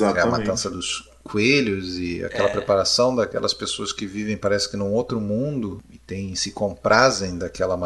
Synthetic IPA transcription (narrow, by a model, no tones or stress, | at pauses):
aɛɐmat̪ɐ̃sɐd̪ʊs | kweʎʊzɪa̰kɛlɐpɾepaɾasɐ̃w̃d̪ɐkɛ̰lɐspesoɐskɪvivẽj̃paɾɛsɪ̥kɪnʊ̃owt̪ɾʊmũd̪ʊɪt̪ẽj̃sɪkõpɾʔazẽj̃d̪akɛlɐm